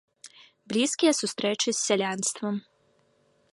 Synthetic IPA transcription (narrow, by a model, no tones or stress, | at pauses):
blʲiskiesust̪ɾet͡ʃisːeʎʲanst̪ʋom